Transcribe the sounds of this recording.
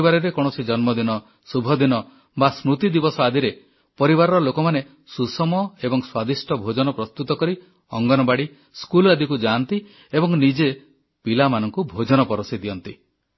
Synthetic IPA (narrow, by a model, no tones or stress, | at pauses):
baɾɔɾekɔɽ̃ɔsid͡ʒɔnmɔd̪inɔ | subʱɔd̪inɔ | basmɾut̪id̪ibɔsɔad̪ʱiɾe | pɔɾibaɾɔɾɔlokɔmane | susɔmɔebɔŋswad̪isʈʰɔbʱod͡ʒɔnɔpɾɔst̪ut̪ɔkɔɾi | ɔŋɡɔnɔbaɽi | skulad̪ikud͡ʒant̪i | ebɔŋnid͡ʒe | pilamanɔŋkubʱod͡ʒɔnɔpɔɾɔsid̪ijɔnt̪i